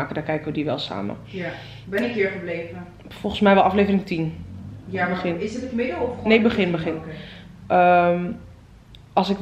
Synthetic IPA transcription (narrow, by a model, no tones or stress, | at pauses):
aːkədɔkɛjkəʋədiʋɛlˠsa̰ːmə̰ja | bɛəkɪːɹχəblejvə | fɔlˠχən̩smɛjʋɛlˠɑflejvərɪŋtinjabəχɪnɪsətətmɪdəɔfnebəχɪnbəχɪnʔəm | ɑlˠsɪk